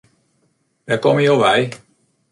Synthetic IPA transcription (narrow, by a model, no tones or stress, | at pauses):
ʋɛkɔməjowʋɛj